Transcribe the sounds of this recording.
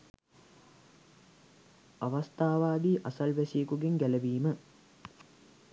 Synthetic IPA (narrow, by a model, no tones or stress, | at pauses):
aʋast̪aːʋaːd̪iːʔasɐlʋæsiəkuɡeŋɡæləʋiːmə